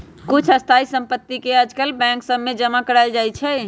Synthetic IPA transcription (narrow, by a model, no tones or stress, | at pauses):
kut͡ʃʰəst̪ʰaisə̃mpət̪ːikeəd͡ʒkəlbɛ̃ŋksəbmed͡ʒəmakəɾaɪld͡ʒajt͡ʃʰɛ